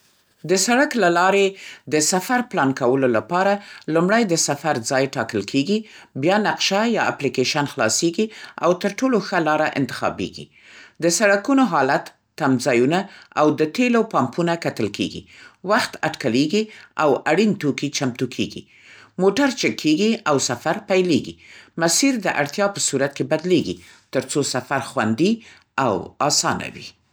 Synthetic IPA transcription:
d̪əsaɽaklalɑɾed̪əsafaɾplɑnkawəlolapɑɾalumɽajd̪əsafaɾd͡zɑjʈɑkəlkʰeɡi | bjɑnaqʃajɑa̰plikeʃanxlɑ̰seɡia̰wt̪əɾʈoloxalɑɾaʔɪ̰nt̪ɪ̥xɑ̰bḛɡḭ | d̪əsaɽakunoɦɑlat̪ːamzɑjunaawd̪ət̪elowpɑmpunakat̪əlkʰḛɡḭwaxt̪aʈkaleɡiawaɽint̪okit͡ʃamt̪ukʰḛɡḭ | moʈaɾt͡ʃɪkʰːeɡiawsafaɾpajleɡḭmasiɾd̪əʔaɽt̪jɑpəsuɾat̪̚kebad̪leɡḭ | t̪əɾt͡sosafaɾxwa̰nd̪i | awɑsɑna̰wḭ

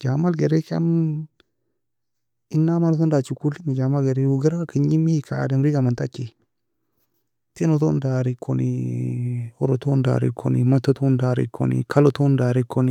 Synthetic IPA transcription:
d͡ʒamalɡeɾeka̰n | inːamaɾsondat͡ʃukulinid͡ʒamalɡeɾeuɡeɾaakiɲimikʰadenɾiɡamantakːi | tinotondaɾikʰːo̰nḭ | oɾotonda̰ɾḭkʰːo̰nḭmatːotondaɾḭkʰːo̰nḭkʰalotondaɾikːoni

